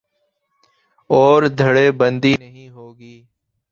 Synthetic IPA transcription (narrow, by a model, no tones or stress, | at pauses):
ɔːɾd̪ʱəɽeːbə̃nd̪iːnəɦĩːɦoːɡiː